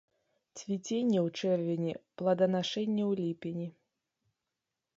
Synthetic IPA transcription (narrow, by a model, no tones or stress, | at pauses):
t͡sʲvʲit͡sʲenʲːɛwt͡ʂɛrvʲenʲiplˠɐd̪ɐnaʂɛnʲːɛwlʲipʲenʲi